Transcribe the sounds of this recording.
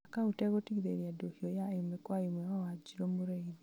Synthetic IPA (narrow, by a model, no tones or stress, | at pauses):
akautɛɣotiɣiðeɾiadohiɔjaimɛkwaimwɛwawad͡ʒiɾomoɾeiɾi